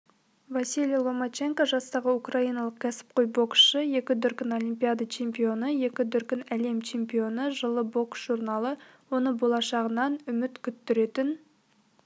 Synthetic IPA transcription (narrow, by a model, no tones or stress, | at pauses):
vasʲilʲjlˠomot͡ʃe̞ŋkoʒɑst̪ɑʁəukrɑijnɑlˠəq̚kʲʰæsɪ̥p̚qʰojbo̞ksʃəje̞kʲɪd̪ʏɾkʲɪno̞limpʲijad̪ɑt͡ʃʰe̞mpijo̞nəje̞kʲɪd̪ʏɾkʲɪnæle̞mt͡ʃʰe̞mpijo̞nəʒəlˠəbo̞ksʒurnɑlˠə | wo̞nəbo̞lˠɑʃɑʁənɑnʏmɪt̪kʲʰʏt̪ːɪɾe̞t̪ɪn